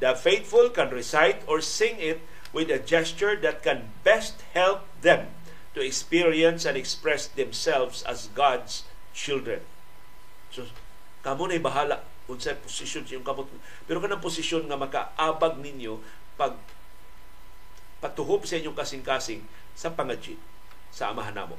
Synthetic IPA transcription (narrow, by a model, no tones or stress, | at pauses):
d̪ɐfejt̪fʊlkanɹɪsajt̪ɔɹsɪŋɪt̪̚ | wɪd̪ɐd͡ʒɛst͡ʃʊɹd̪at̪̚kɛn | bɛst̪̚hɛlp̚ðɛ̃m | t̪ʊɛkspiɹiɐ̃nsɐ̃nd̪ɛkspɹɛsd̪ɛmsɛlvsa̰sɡad̪s | t͡ʃɪld̪ɹɛn | so | kamonajbaɦaːlaʔ | ʊnsapʊsɪʃjonsɐjʊŋkɐmot̪̚ŋa | pɛɾokɐnaŋpʊsɪʃjonŋɐmɐka̰ʔaːbaɡ̚nɪɲjo | pɐɡ̚ | pat̪ʊhobsɐʔiɲjoŋkasɪŋkaːsɪŋ | sɐpaŋad͡ʒɪ̰ | sɐʔːmaɦanʔa̰ːmo̰